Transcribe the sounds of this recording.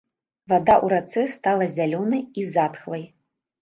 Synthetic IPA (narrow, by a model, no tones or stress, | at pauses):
vad̪aʔuɾat̪sɛst̪alˠɐzʲalʲɔnɐjizat̪xlˠɐj